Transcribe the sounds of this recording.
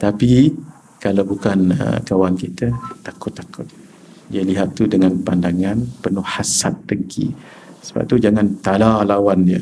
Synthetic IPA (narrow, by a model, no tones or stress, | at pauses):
t̪api | kalawbukanə̰kawankit̪ət̪akʊt̪ːakʊt̪̚ | iəliɦat̪ːudəŋanpandaŋanpənʊhhasat̪ːəŋkʰḭ | sə̥ba̰p̚t̪ud͡ʒaŋãnt̪alalawandiə̰